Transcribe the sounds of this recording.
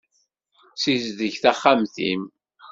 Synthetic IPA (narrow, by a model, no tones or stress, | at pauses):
sizðəçθaχːamθḭm